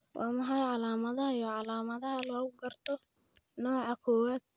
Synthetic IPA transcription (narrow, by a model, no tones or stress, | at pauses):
wʔɑːmɐħɑjʕɑlaːmɐðɐɦɐjɔːʕɑlaːmɐðɐɦɐlɔːɣʊɡɐrt̪ʰɔnɔːʕɑkʰɔːwaːd̪̥̚